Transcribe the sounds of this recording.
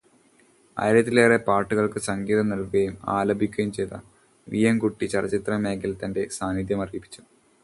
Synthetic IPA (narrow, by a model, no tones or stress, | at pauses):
ɐ̰jɾɐt̪ːileːrepaːrʈːuɣɐɭkɨsɐŋɡiːðɐnɐlkɨɐjuma̰ːlɐbʱikʲːuɐjumt͡ɕe̞jt̪ɐ̰ | ʋijɐmkuʈːit͡ɕɐrt͡ɕit̪rɐmeːkːilt̪ɐnde̞saːnid̪jɐmɐriːpːi̥t͡ɕːu̥